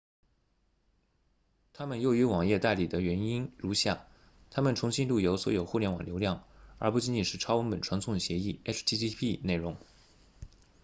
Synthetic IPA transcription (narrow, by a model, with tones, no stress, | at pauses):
t̪ʰa˥mə˨njo˥˩˧ʊy˧˥wɑ˨˩ŋjɛ˥˧t̪a˥˩ɪli˨˩d̪ə˦ɥɛ˧˥ni˥nɻu˧˥ɕja˥˩ | t̪ʰa˥mə˨nʈ͡ʂʰʊ˧˥ŋɕi˥nlu˥˩jo˧˥ʊswɔ̰˧˥jo˨˩ʊxu˥˩ljɛ˧˥nwɑ˨˩ljo˧˥ʊljɑ˥˩ŋə˞˧˥pu˥˧t͡ɕi˥ni˨˩ʂɻ̩˥˩ʈ͡ʂʰɑ˥ʊwə˥npə˨˩nʈ͡ʂʰwɑ˧˥ŋt͡sʰʊ˥˩ŋɕjɛ˧˥i˥˩ɛ˥st̪ʰi˥t̪i˥pʰi˥˧ne˥˩ɪɻʊ˧˥ŋ